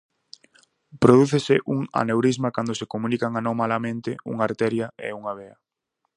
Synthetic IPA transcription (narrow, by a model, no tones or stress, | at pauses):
pɾoðuθesɪʔuŋa̰newɾizmakand̪osekomũnikaŋanõŋmalamẽnt̪ɪṵŋaɾt̪ɛɾjaḛuŋaβeɐ